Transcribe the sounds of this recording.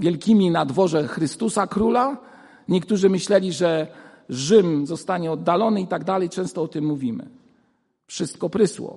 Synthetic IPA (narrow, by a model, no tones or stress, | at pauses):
vʲjɛlkʲimʲinad̪vɔʐɛxɾɘst̪usakɾula | ɲɛkt̪uʐɘmɘɕlɛlʲiʐɛʐɘmzɔst̪aɲɛɔd̪ːalɔnɘit̪aɡd̪alɛjt͡ʂɛ̃w̃st̪ɔɔt̪ɘmːuvʲimɘ̰ | fʂɘst̪̚kɔpɾɘswɔ̰